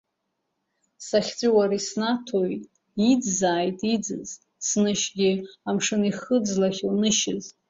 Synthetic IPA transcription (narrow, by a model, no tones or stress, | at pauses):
saχʲt͡sʷʼiwaɾisnatʰojtʼ | id͡zzaːjtʼid͡zɨ̰z | snɨʃɡʲɪamʂɨniχəd͡zlaχʲlnɨʃɪz